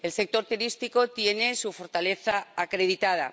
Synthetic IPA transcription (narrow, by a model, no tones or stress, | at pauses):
else̞k̚t̪o̞ɾt̪uɾist̪iko̞t̪je̞ne̞sufo̞ɾt̪ale̞θaakɾe̞ð̞it̪að̞a̰